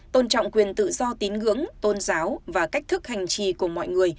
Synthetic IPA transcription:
t̪o˧nt͡ɕɔ̰˧˨wŋ͡mkwi˨˩ənt̪ɨ̰˧˨zɔ˧t̪i˨˦nɣɨ̰˧˥əŋt̪o˧nzaː˨˦wvaː˨˩ka˦˥k̚t̪ʰɨ˦˥k̚ha˨˩jŋ̟t͡ɕi˧˨˩ku˧˩əmɔ̰˧˨jŋɨ˨˩əj

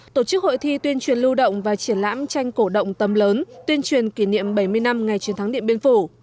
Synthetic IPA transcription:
t̪o˧˩t͡ɕɨ˦˥k̚ho̰˧˨jt̪ʰi˧t̪wi˧ənt͡ɕwi˨˩ənlu˧ɗə̰˧˨wŋ͡mvaː˨˩t͡ɕi˧˩ənla̰ː˧˥mt͡ɕa˧jŋ̟ko˧˩ɗə̰˧˨wŋ͡mt̪ə˨˩mləː˨˦nt̪wi˧ənt͡ɕwi˨˩ənki˧˩nḭ˧˨əmɓa˧˩jmɨ˧əjna˧mŋa˨˩jt͡ɕwi˨˦nt̪ʰa˨˦ŋɗḭ˧˨əɓi˧nfu˧˩

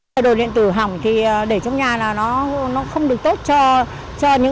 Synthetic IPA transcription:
ɗo˨˩lḭ˧˨nt̪ɨ˧˩ɦa˨˩wŋ͡mt̪ʰi˨˩˨ɗe˧˩t͡ɕɔ˧wŋ͡mɲaː˨˩laː˨˩nɔ˨˦nɔ˨˦xə˧wŋ͡mɗɨ˨˩ək̚t̪o˦˥t̚t͡ɕɔ˧ | t͡ɕɔ˧ɲɨ̰˧˥

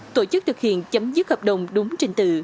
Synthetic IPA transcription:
t̪o˧˩t͡ɕɨ˦˥k̚t̪ʰɨ˨˩k̚hḭ˧˨ənt͡ɕə˨˦mzɨ˦˥t̚həː˨˩p̚ɗə˨˩wŋ͡mɗʊ˨˦ŋ͡mt͡ɕe˧nt̪ɨ˨˧˩

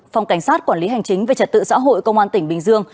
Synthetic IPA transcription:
fa˨˩wŋ͡mka˧˩jŋ̟saː˦˥t̚kwaː˧˩li˨˦ɦa˨˩jŋ̟t͡ɕï˨˦ŋ̟ve˨˩t͡ɕə˨˩t̚t̪ɨ̰˧˨sa̰ː˧˥ɦo̰˧˨jkə˧wŋ͡mʔaː˧nt̪ï˧˩ŋ̟ɓï˨˩ŋ̟zɨ˧əŋ

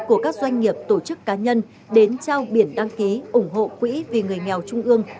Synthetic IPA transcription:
ku˧˩əkaː˦˥k̚zwa˧jŋ̟ŋi˨˩əp̚t̪o˧˩t͡ɕɨ˦˥kːaː˨˦ɲə˧n | ɗe˨˦nt͡ɕa˧wɓi˧˩ənɗa˧ŋki˨˦ʔʊ˧˩ŋ͡mɦo̰˧˨kwḭ˧˥vi˨˩ŋɨ˨˩əjŋɛ˨˩wt͡ɕʊ˧ŋ͡mʔɨ˧əŋ

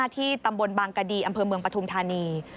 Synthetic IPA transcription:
t̪ʰiː˥˩t̪a˧mbo˧nbaː˧ŋka˧diː˧˩ʔa˧mpʰɤː˧mɯ˧əŋpɾa˧t̪ʰu˧mt̪ʰaː˧niː˧

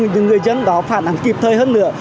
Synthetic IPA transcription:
ɲɨ˧˥ŋɨ˨˩əjzə˧nɗɔ˨˦faː˧˩nʔa˨˦ŋki˨˩p̚t̪ʰəː˨˩jhəː˧nːɨ̰˧˥ə

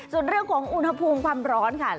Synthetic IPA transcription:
su˨˩nɾɯ˥˩əŋkʰɔː˩˦ŋʔu˧nha˧pʰuː˧mkʰwaː˧mɾɔː˦˥nkʰa˥˩

